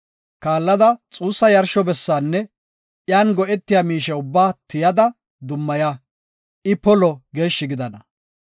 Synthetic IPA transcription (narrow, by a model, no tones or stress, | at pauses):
kaːlːɐd̪ɐt͡sʼuːsːɐjɐɾʃɔbɛsːaːnːɛ | jaːnɡɔʔɛt̪ːɪjaːmiːʃɛʊbːaːt̪ɪjɐd̪ɐ | d̪ʊmːɐja | ɪpɔlɔɡe̞ːʃːɪɡɪd̪ɐnɐ